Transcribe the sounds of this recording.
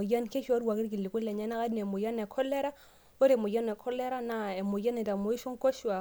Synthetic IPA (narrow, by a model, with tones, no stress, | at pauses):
o˨ja˦nke˦ʃa˦ɾwa˨ki˦ɾki˨lːi˨ku˦le˨ɲa˦na˦ka˦dn˨e˨mo˨ja˦ne˨kʰɔ˦lːe˦ɾa˦ | o˦ɾe˨mo˨ja˦ne˨kʰɔ˦lːe˦ɾa˦na˨e˨mo˨ja˦ne˨ta˨mo˨˦i˦ʃo˦ŋ˦ko˦ʃwa˨